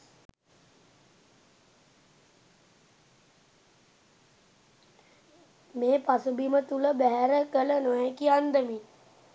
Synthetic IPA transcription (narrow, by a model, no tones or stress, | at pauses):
meːpasubimət̪uləbæɦæɾəkələnojɛkiand̪əmi